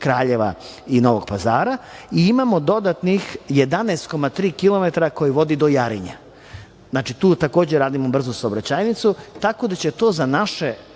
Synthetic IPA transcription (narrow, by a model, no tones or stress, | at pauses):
kɾaːʎeʋa̰ | ino̞ʋoɡ̥̚pazaːɾaiimamo̞d̪o̞d̪at̪nixje̞d̪anɛst̪̚ko̞mat̪ɾiːkilˠo̞met̪aɾako̞jiʋo̞d̪id̪o̞jaɾḭɲa̰ | znat͡ʃit̪uːt̪ako̞ːd͡ʑeɾaːd̪imobr̩zosaobɾat͡ɕaːjnit̪sut̪ako̞d̪at͡ɕe̞t̪o̞ːzanaʃe